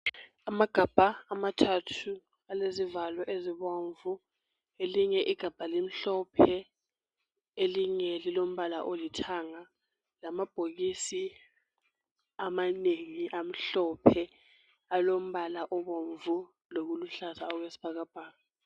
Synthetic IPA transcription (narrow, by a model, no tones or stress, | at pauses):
amaɡ̥ʱab̥ʱaːmatʰatʰu | alezivalɔʔeziɓoɱvu | eliŋɛʔiɡ̥ʱab̥ʱalim̩ɬɔpʰɛ | eliŋɛlilom̩ɓalaʔolitʰaŋa | lamab̥ʱoɣ̬isi | amaneŋiʔam̩ɬɔpʰɛ | alom̩ɓalaʔɔɓoɱvu | lok̬uluɬazaɔk̬wesi̥b̥ʱak̬ab̥ʱaːna